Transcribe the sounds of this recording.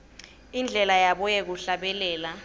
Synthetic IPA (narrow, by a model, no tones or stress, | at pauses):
ind͡ɮʱɛlajaɓɔjɛk̬uɬaɓɛlɛːla